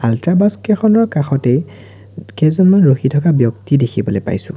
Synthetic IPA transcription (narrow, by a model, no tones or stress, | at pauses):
altɹabaskɛxɔnɔɹkaxɔtej | kɛzɔnmanɹoxitʰɔkabjɔk̚tidekʰibɔlojpa̰jsʊ̰̃